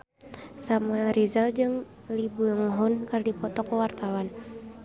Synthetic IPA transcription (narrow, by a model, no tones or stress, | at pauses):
samaɾizald͡ʒɨŋ | libuaŋɦɔnkardipɔt̪ɔkɔwart̪awan